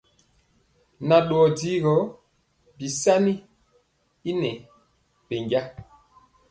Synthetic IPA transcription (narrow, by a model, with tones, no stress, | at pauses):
na˨ɗo˨ɔ˨di˦ɣɔ˨˦ | bi˨sa˦ni˦ | i˦nɛ˨ | be˨ŋɟa˦